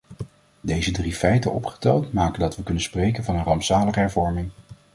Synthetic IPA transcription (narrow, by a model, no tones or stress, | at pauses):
dejzədrifɛjtəʔɔ̰pχə̥tɛlˠtmaːkəndɑtʋəkɵnənsprejkənvɑnənrɑmpsaːləχəɦɛɹvɔɹmɪŋ